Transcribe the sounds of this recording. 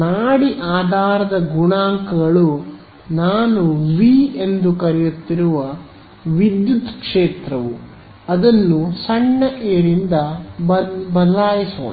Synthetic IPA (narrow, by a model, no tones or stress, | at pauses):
naːɽiʔaːd̪ʱaːɾɐd̪ɐɡuɳaːŋkɐɡɐɭu | naːnuʋiːend̪ukɐɾɛjut̪ːiɾuʋɐ | ʋid̪jut̪kʂeːt̪ɾɐʋu | ɐd̪ɐnːusɐɳːɐʔeːɾind̪ɐbɐbɐd̪laːjiso̰ːn